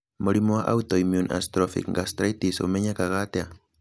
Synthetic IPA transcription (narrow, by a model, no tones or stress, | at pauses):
muɾimɔwaʔa̰utɔimjunʔa̰stɾɔfḭkŋɡastɾaitiso̰umɛɲakaɣatea